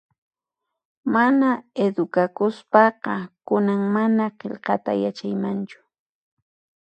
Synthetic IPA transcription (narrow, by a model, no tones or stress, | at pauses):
manaed̪ʊkakʊspɑqɑkʊnaŋmanaqeʎqɑt̪a̰jat͡ʃajmant͡ʃʊ̥